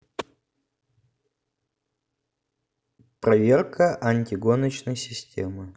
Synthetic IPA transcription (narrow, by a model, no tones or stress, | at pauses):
pɾɐvʲerkʰəʔɐnʲtʲɪɡonət͡ɕnəjsʲɪsʲtʲʰḛmɨ